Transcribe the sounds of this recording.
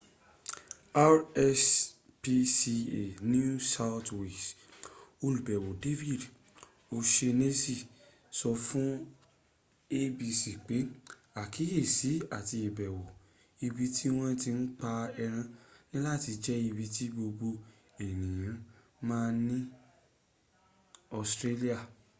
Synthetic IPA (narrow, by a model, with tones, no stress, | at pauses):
a˦ɾɛ˧s | pi˧si˧e˨nũ˦sa˧wtwe˨s | o˧lu˨bɛ˨wo˨de˦fi˦˨d | o˧ʃe˧ne˦si˦˨ | sɔ˧fũ˦ | e˦bi˧si˨k͡pe˨˦ | a˨ki˨˦e˦˨si˨˦a˨ti˧e˨bɛ˨wo˨ | i˧bi˧tʰi˦w̃ɔ̃˦ti˧n̩˦k͡pa˧ɛ˧ɾ̃ã˧nĩ˦la˦˨ti˧d͡ʒɛ˦i˧bi˧ti˦ɡ͡bo˧bo˧ | e˨nĩ˨jã˨˦ | mãː˦nĩ˦ | ɔ˧stɾe˦li˦a˦˨